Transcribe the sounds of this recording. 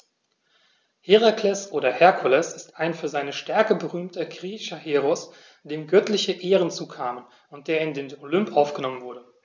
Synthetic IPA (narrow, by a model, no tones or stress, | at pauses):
heʁaklɛsʔoːɾɐhɛɐkʰulɛsɪstaɪnfyːɐzaɪnəʃtɛɐkəbəʁyːmtʰɐɡʁiːçaheːʁɔs | d̥eːmɡœtlɪçəʔeːʁənt͡suːkʰaːmən | ʊnt̚d̥eːɐɪndeːnolʏmpʔaʊfɡ̥ənɔmənvʊɐdə